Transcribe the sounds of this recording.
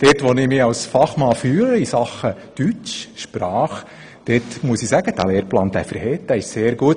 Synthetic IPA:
d̥ɛtʋɔnɪmɪɑwsfɑχmɑːfyːləisɑχəd̪̥yt͡ʃʃpɾɑːχ | d̥etmuəsɪsæɡ̥əd̥æ̰leːɾplɑːnd̪æ̰fəɾhɛt̚d̥æɪʃseːɾɡuət

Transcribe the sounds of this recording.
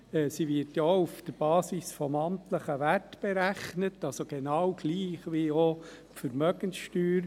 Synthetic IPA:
ɛːsiʋɪtjaufd̥əɾb̥ɑːsisfɔmɑntləχəʋætb̥ɛɾæχnətɑlsoɡ̥enɑwɡ̥liːχʋio | fəɾmœɡ̥ənsʃtyːɾ

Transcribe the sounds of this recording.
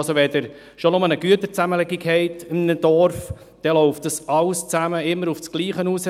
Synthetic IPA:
soʋɛdɪɾ | ʃonʊmənəɡ̥yət̪əɾt͡sæməlɪɡiɡhɛɪtɪmnədɔɾf | d̥ɛlɔʊft̚d̥əsɑlst͡sæməɪmːəɾufsɡ̥liːχənuːs

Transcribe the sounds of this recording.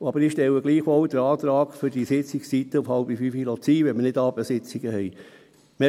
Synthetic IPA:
ɑbəɾɪʃtɛləɡliːχʋɔwd̥̪əɾɑːt̪ɾɑːɡ̥fʏɾd̥isɪt͡sɪkssit̪əʊfhɑlbifyfilot͡siːʋɛnmənɪdɑːbəsɪt͡siɡ̥əhɛɪ | mɛ

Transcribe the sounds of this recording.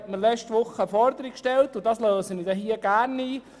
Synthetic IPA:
tməɾlɛt͡ʃtʋʊχːəfɔɾdəɾikʃtɛlt̪ʊdɑsløːsənidɛɦiəɡ̥æːɾniː

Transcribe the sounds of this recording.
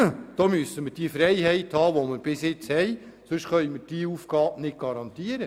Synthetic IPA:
d̥ɔːmyəsəməɾd̥iəfɾɛjɦɛjthɑːʋoməɾb̥ɪsjɪt͡shɛj | sɵʃχœʏməɾd̥iːuːfɡ̥ɑːbnɪt̚ɡ̥ɑɾɑnt̪iəɾə

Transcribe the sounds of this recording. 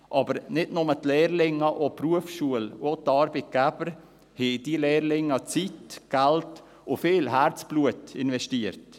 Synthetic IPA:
ʔɑːbəɾnɪdnʊmətlɛːɾlɪŋːəʔopruəfʃuəlotɑːɾbit̚ɡ̥æb̥əɾ | hɛd̥ilɛːɾlɪŋət͡sitɡ̥ælt | ʊfɪːlɦæɾt͡sb̥luətɪnvɛʃtiəɾt

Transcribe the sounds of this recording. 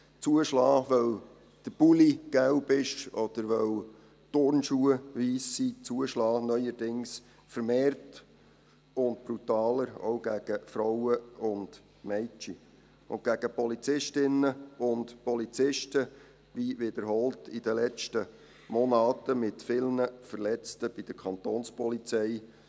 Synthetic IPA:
t͡suəʃlɑːʋœw | d̥əb̥uliɡ̥æwbɪʃɔd̪̥əɾʋœw | tʊɾnʃuːəʋiːsːit͡suəʃlɑːnœʏjəɾdɪŋs | fəɾmeːrt | ʊndb̥ɾutɑːləɾɔ̰wɡ̥æɡ̥əfɾɔwəʊnd̥ | mɛɪt͡ʃi | ʊ̰n̚ɡ̥æɡ̥əpɔlit͡sɪʃtɪnːəʊndpɔlit͡sɪʃtə | ʋiʋɪd̥əɾɦɔltʰid̥əlɛt͡ʃtə | mɔnɑːtəmɪtfɪlnəfəɾlɛt͡stəb̥id̥̪əɾkʰɑnt̪oːnspɔlit͡sɛj

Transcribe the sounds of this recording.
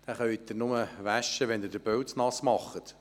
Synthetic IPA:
d̥æχœɥitd̪ɪɾnʊməʋæʃːəʋɛnd̪ɪɾd̥əɾb̥œlsnɑsmɑχːət̪

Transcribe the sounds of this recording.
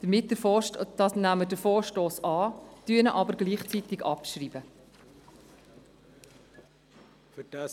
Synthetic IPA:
d̥əmɪt̚d̥əfd̥ɑsnæmədəfoːɾʃtoːsɑːtyənəʔɑbəɾɡliːχt͡sit̪ɪɡɑpʃriːbə | fətæ

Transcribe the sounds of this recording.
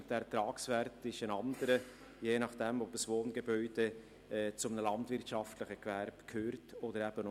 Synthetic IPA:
d̥æɾt̪ɾɑːksvɛɾtɪʃənɑnd̪əɾə | jeːnɑχd̥ɛmɔbəsʋoːnɡebœʏd̥e | ɛːt͡sʊmənəlɑntvɪɾtʃɑftləχəkværbkʰøːɾtod̥əɾæb̥ən

